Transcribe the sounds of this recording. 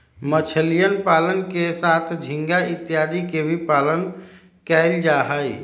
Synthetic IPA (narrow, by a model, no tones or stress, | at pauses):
mət͡ʃʰəlijənpalənkesat̪ʰd͡ʒʱĩŋɡait̪jad̪ikebʱipalən | kɛld͡ʒaɦəj